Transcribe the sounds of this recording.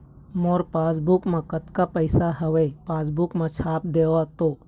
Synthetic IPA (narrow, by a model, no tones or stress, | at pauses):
moːɾpaːsbukmãkət̪kapəɪsaɦɐʋepaːsbukmãt͡ʃʰaːp̚d̪eːʋat̪oː